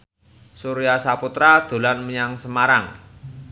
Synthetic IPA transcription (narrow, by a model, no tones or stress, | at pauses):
suɾijasaput̪ɾad̪̥o̤lanməɲaŋsəmaɾaŋ